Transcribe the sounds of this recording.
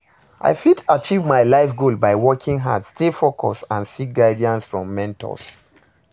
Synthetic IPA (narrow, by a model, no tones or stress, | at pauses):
ʔa̰ɪfitat͡ʃivmaɪlaɪfɡolbaɪwɔkʰĩŋɦa̰dstefokʰɔ̰sãnsik̚ɡaɪdiãnsfɹɔ̰̃mːɛ̃ntʰɔ̰s